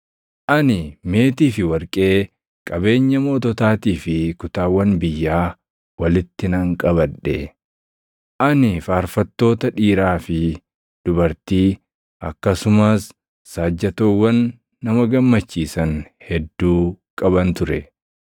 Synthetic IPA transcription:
ʔɐnɪme̞ːt̪iːfɪwɐɾkʼe̞ː | kʼɐbe̞ːɲːɐmo̞ːt̪ɔt̪aːt̪iːfɪkʊt̪aːwːɐnbɪjːaː | wɐlɪt̪ːɪnɐŋkʼɐβɐᶑːɛ | ʔɐnɪfaːɾfɐt̪ːo̞ːt̪ɐᶑiːɾaːfɪ | d̪̥ʊbɐɾt̪iː | ʔɐkːɐsʊmɐsː | aːd͡ʒːɐt̪oːwːɐnː | ɐmɐɡɐmːɐt͡ʃːiːsɐnhɛd̪ːuːkʼɐbɐnt̪ʊɾɛ

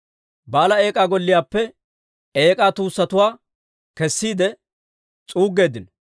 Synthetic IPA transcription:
baːlɐe̞ːkʼaːɡɔlːɪjaːpːɛ | eːkʼaːt̪uːsːɐt̪ʊwaː | kɛsːiːd̪ɛ | t͡sʼuːɡːe̞ːd̪ɪn

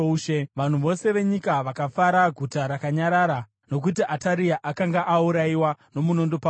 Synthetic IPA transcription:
ʃeʋan̤uʋo̞se̞ʋe̞ɲikaʋakafaɾaɡʱutaɾakaɲaɾaːɾa | no̞k̬utiʔataɾiaʔakaŋɡaʔauɾaiwano̞muno̞ndopa

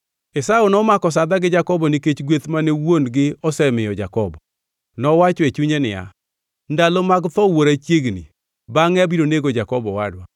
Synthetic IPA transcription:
esaunɔmakɔs̬ad̪aɡɪd͡ʒakɔbɔniket͡ʃɡwet̪manewonɡɪɔsɛmɪjɔd͡ʒakɔbɔ | nɔwat͡ʃɔet͡ʃuɲenɪja̰ | ndalɔmaɡt̪ɔwoɾat͡ʃjeɡnḭ | baŋɛabiɾoneɡod͡ʒakɔbɔwadwa

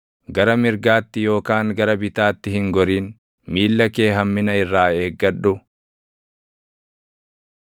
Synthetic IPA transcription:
ɡɐɾɐmɪɾɡaːt̪ːɪjo̞ːkaːŋɡɐɾɐbɪt̪aːt̪ːɪhɪŋɡɔɾiːn | miːlːɐke̞ːɦɐmːɪnɐɪrːaːe̞ːɡːɐᶑʊ

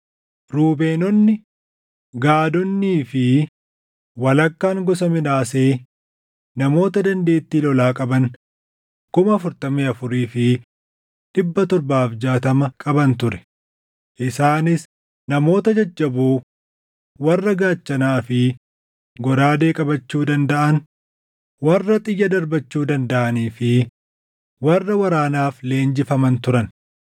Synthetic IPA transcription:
ɾuːbe̞ːnɔnːɪ | ɡaːd̪ɔnːiːfɪ | wɐlɐkːaːŋɡɔs̬ɐmɪnaːse̞ː | nɐmo̞ːt̪ɐd̪ɐnd̪e̞ːt̪ːiːlɔlaːkʼɐbɐn | kʊmɐfʊɾt̪ɐmeːɐfʊɾiːfɪ | ᶑɪbːɐt̪ɔɾbaːfd͡ʒaːt̪ɐmɐkʼɐbɐnt̪ʊɾɛ̥ | ʔɪsaːnɪs | nɐmo̞ːt̪ɐd͡ʒɐd͡ʒːɐbuː | wɐrːɐɡaːt͡ʃːɐnaːfɪ | ɡɔɾaːd̪e̞ːkʼɐbɐt͡ʃːuːd̪ɐnd̪ɐʔɐn | wɐrːɐt̪ʼɪjːɐd̪ɐɾbɐt͡ʃːuːd̪ɐnd̪ɐʔɐniːfɪ | wɐrːɐwɐɾaːnaːfleːnd͡ʒɪfɐmɐnt̪ʊɾɐn

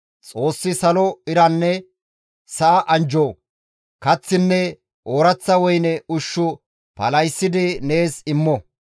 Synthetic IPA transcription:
t͡sʼo̞ːsːɪsɐlɔɪɾɐnːɛ | sɐʔɐʔɐnd͡ʒoː | kɐt͡sːɪnːɛ | ʔoːɾɐt͡sːɐwɔjnɛʊʃːʊ | pɐ̰lɐjsːɪd̪ɪne̞ːsɪmːɔ

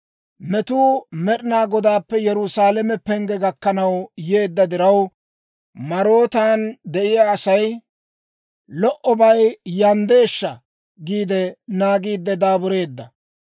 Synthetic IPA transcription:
mɛt̪uːmɛɗɪnaːɡɔd̪aːpːɛjɛɾʊsaːlɛmɛpɛŋɡɛɡɐkːɐnɐwje̞ːd̪ːɐd̪ɪɾɐw | mɐɾo̞ːt̪aːnd̪ɛʔɪjaːsɐj | lɔʔɔbɐjjɐnd̪e̞ːʃːɐ | ɡiːd̪ɛnaːɡiːd̪ːɛd̪aːbʊɾe̞ːd̪ːɐ

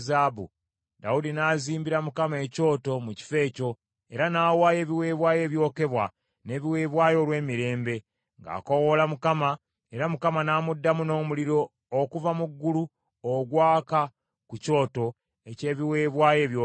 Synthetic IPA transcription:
zaːbṵ | daudinaːziːmbiɾamukamae̞ːco̞ːto̞muci̥fe̞ːco̞ | e̞ɾanaːwaːje̞ːβiwe̞ːβwaːje̞ːβjo̞ːke̞βwa | ne̞ːβiwe̞ːβwaːjo̞ːlwe̞ːmiɾe̞ːmbe̞ | ŋɡa̰ːko̞wo̞lamukama | e̞ɾamukamanaːmudːamuno̞ːmuliɾo̞ː | kuvamuɡːulu | oɡwaːka | kuco̞ːto̞ | e̞ce̞ːβiwe̞ːβwaːje̞ːβjo

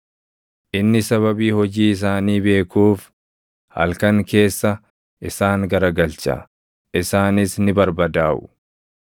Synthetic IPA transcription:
ʔɪnːɪsɐβɐbiːhɔd͡ʒiːɪs̬aːniːbe̞ːkuːf | hɐ̰lkɐŋke̞ːsːɐ | ʔɪsaːŋɡɐɾɐɡɐlt͡ʃɐ̰ | ʔɪsaːnɪsnɪbɐɾbɐd̪aːʔʊ̥̰

